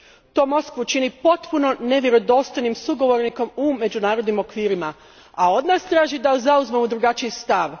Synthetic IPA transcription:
t̪o̞ːmo̞skʋut͡ʃinipo̞t̪puno̞ne̞ʋjeɾo̞d̪o̞st̪ojnimsuɡo̞ʋo̞ɾniko̞mume̞d͡ʑunaːɾo̞d̪nimo̞kʋiːɾima | ao̞d̪naːst̪ɾaːʒid̪azauzmemud̪ɾuɡat͡ʃijist̪aʋ

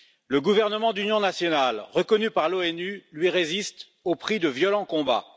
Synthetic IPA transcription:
ləɡuvɛʁnəmɑ̃d̪ynjɔ̃nasjɔnalʁəkɔnypaʁloɛnylɥiʁezist̪ | opχid̪əvjɔlɑ̃kɔ̃ba̰

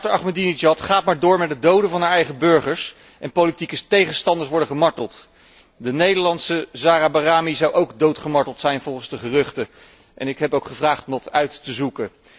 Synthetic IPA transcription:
təɹɑχmədinid͡ʒɑtχaːt̚maːɹdʊːɹmɛt̚dədowdənvɑnɦaːɹɛjχəbøɹχəɹs | ʔɛ̰npolitikətejχənstɑndəɹsʋɔɹdəχəmɑɹtəlˠt | dənejdəlɑntsəzaːrabaraːmizɑwʔowkdowtχəmɑɹtəlˠtsɛjnvɔlˠχənzdəχərʏχtə | ʔɛ̰nɪkɦɛpowkχəvraːχtɔmdɑtœɥtːəzukə

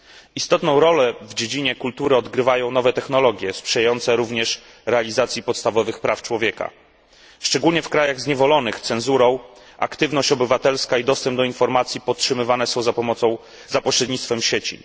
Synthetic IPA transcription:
ist̪ɔt̪nɔ̃w̃ɾɔlɛvd͡ʑed͡ʑiɲɛkult̪uɾɘɔd̪ɡɾɘvajɔ̃w̃nɔvɛt̪ɛxnɔlɔɡʲjɛspʂɛjajɔnt̪sɛɾuvɲɛʂ | ɾɛalʲizat̪sʲjipɔt̪st̪avɔvɘxpɾaft͡ʂwɔvʲjɛka̰ | ʂt͡ʂɛɡulɲɛfkɾajaɣzɲɛvɔlɔnɘxt̪sɛnzuɾɔ̃w̃ | ʔa̰kt̪ɘvnɔɕt͡ɕɔbɘvat̪ɛlskaid̪ɔst̪ɛmb̚d̪ɔinfɔɾmat̪sʲjipɔtʂɘmɘvanɛsɔ̃w̃zapɔmɔt̪sɔ̃w̃ | zapɔɕɾɛd̪ʲɲit̪st̪fɛmɕet͡ɕḭ

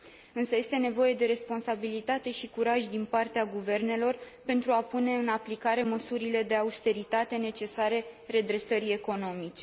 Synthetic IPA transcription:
ɨnsəje̞st̪e̞ne̞vo̞je̞d̪e̞ɾe̞spo̞nsabilit̪at̪e̞ʃikuɾaʒʲd̪inpart̪eaɡuve̞rne̞lo̞rpe̞nt̪ɾuapune̞ɨnaplikaɾe̞məsuɾile̞d̪e̞aust̪e̞ɾit̪at̪e̞ne̞t͡ʃe̞saɾe̞re̞d̪ɾe̞səɾie̞ko̞no̞mit͡ʃe̞

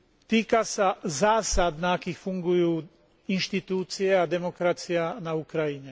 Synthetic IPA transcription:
t̪iːkasazaːsad̪naakixfuŋɡujuː | inʃt̪it̪uːt̪sijead̪ɛmokɾasijanaukɾajiɲɛ

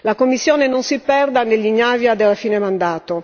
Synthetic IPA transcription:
lakomːisːjɔːnenonsipɛrd̪anelːiɲːavjad̪elafiːnemand̪aːt̪o

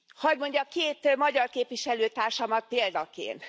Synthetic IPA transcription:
hɒɟmo̞ɲɟɒkeːt̪mɒɟɒrkeːpʋiʃɛløːt̪aːrʃɒmɒt̪̚peːld̪ɒkḛːnt̪

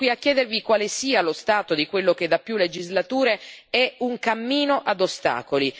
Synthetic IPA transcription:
kwiakːjɛːd̪ervikwaːlesiːalost̪aːt̪od̪ikwelːok̟ed̪apːjulːed͡ʒizlat̪uːɾeɛuŋkamːiːnoʔad̪ost̪a̰ːkoli

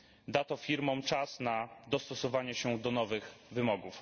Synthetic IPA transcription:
d̪at̪ɔfʲiɾmɔmt͡ʂasnad̪ɔst̪ɔsɔvaɲɛɕɛd̪ɔnɔvɘxvɘmɔɡuf

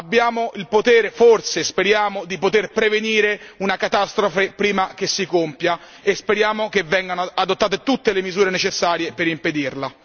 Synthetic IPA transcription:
abːjaːmoʔilpot̪ɛːɾeforsespeɾjaːmod̪ipot̪erpɾeveniːɾeunakat̪ast̪ɾofepɾiːmak̟esːikompja | espeɾjaːmokevɛŋɡanoad̪ot̪ːaːt̪̬et̪ut̪ːelemizuːɾenet͡ʃesːaːɾjepeɾimped̪irla

